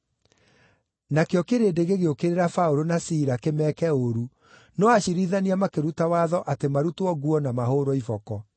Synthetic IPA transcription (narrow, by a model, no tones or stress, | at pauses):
nakeɔkeɾedeɣeɣeokeɾeɾafauɾonasiɾakemɛkɛoɾu | nɔaɕiɾiðaniamakeɾutawaðɔʔatemaɾutwɔɣuɔnamaɦoːɾɔifɔkɔ